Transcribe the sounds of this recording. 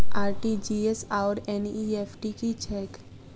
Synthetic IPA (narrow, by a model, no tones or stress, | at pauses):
aːɾʈid͡ʒiːesaʊɾeniepʰʈikit͡ʃʰɛːk